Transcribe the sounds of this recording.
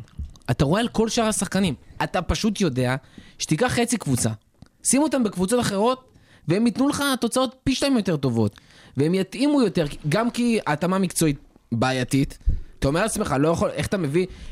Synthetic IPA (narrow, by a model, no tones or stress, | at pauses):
at̪aʁoealko̞lʃaʁhasaχkanimʔatapaʃutjo̞de̞aʃet̪ikaχːet͡sikvut͡sa̰ | simuot̪ambekvut͡so̞taχe̞ʁo̞t̪̚ | vee̞mit̪nuleχat̪o̞t͡sao̞t̚piʃtaimjo̞t̪e̞ʁt̪o̞vo̞t̪ | veemjat̪ʔimujo̞t̪e̞ʁɡamkiaːtamamikt͡so̞it̪̚ | baːjatit̪t̪aomeat͡sme̞χalo̞jaχo̞lʔe̞χḁt̪ame̞vi